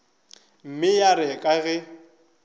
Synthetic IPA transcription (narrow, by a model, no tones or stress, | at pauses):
m̩mɪjaɾɛkʼaɣɛ